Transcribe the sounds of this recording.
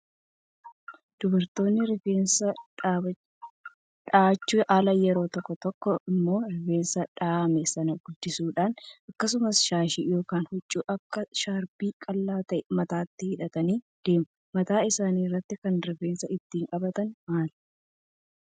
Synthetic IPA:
d̪̥ʊbɐɾt̪o̞ːnːɪɾɪfeːnsɐᶑaː | ᶑaːt͡ʃːuʔaːlɐjɛɾo̞ːt̪ɔkːɔt̪ɔkːɔɪmːo̞ːɾɪfe̞ːnsɐᶑaːmɛsɐnɐɡʊld̪ɪsuːᶑaːnʔɐkːɐs̬ʊmɐsʃaːʃiːjo̞ːkaːnhʊt͡ʃʼːuːʔɐkːɐʃaːɾbiːkʼɐlːaːt̪ɐʔɛmɐt̪aːt̪ːɪhɪᶑɐt̪ɐniː | d̪̥e̞ːmɐmɐt̪aːɪsaːniːrːɐt̪ːɪkɐnɾɪfeːnsɐɪt̪ːiːŋkʼɐbɐt̪ɐnmaːl

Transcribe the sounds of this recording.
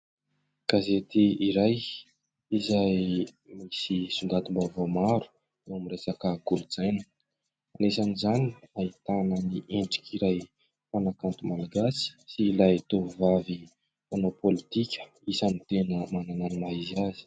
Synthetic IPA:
ɡ̥azet̪iiɾaj | izaj | misisuŋɡ̪at̪umbavomaɾu̥ | ewamiɾesakəɡuɾud͡zajnə | anesanizaniait̪anəniʔeɳɖ͡ʐi̥kiɾaj | fanakant̪umalaɡasi̥silait̪ovavi | fonopolit̪ikʲə̥ | isanit̪enəmanananimaiziazi̥

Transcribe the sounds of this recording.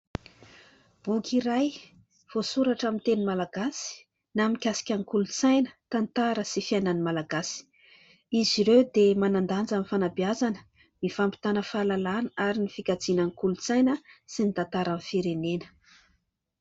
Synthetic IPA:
bukiɾaj | v̥osuɾaʈ͡ʂamint̪enimalaɡasi̥ | namikʲasi̥kʲaŋikulut͡sajnə̥t̪ant̪aɾəsifiananimalaɡasi̥ | iziɾewd̪emanand̪and͡zamifanabiazanə̥ | mifampi̥t̪anəfalalanəaɾinifikad͡zinaŋikulut͡sajnəsinit̪at̪aɾanfiɾenenə̥

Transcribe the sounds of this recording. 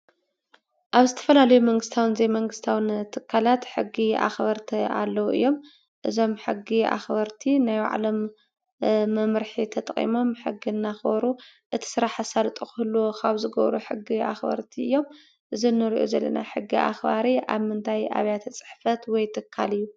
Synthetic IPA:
ʔaβzɨt̪ʰɐ̥fɐlalɐjumɐŋɡɨst̪ʰawɨnzemɐŋɡɨst̪ʰawɨnt̪ʰɨkʰːalat̪ħɨɡːia̰xbɐɾt̪ʰia̰lːɐwuʔɨ̰jːo̞m | ʔɨzo̞mħɨɡːia̰xbɐɾt̪ʰinaj̰ʕa̰lɐmː | ɐmɾħit̪ʰɐt̪ʼχʼḭmo̞mħɨɡːinːaxbɐɾuʔɨt̪ʰi̥sɨɾaħasalt̪ʼukɨhɨlːokʰaβzɨɡɐβɾuħɨɡːia̰xbɐ̰ɾt̪ʰiɨ̰jːo̞m | ʔɨzinːɨɾiʔo̰zɐlːɐ̰naħɨɡːia̰xbaɾiʔa̰βmɨnt̪ʰaja̰βjat̪ʰɐt͡sʼɨ̥ħfɐt̪wɔjt̪ʰɨkʰːalɨjːu

